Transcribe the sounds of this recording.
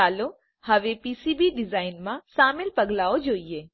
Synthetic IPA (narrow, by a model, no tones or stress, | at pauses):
aːlo | hɐʋepiːsiːbiɖɪzaːɪnmãʃaːmɪlpɐɡlaːod͡ʒoːieː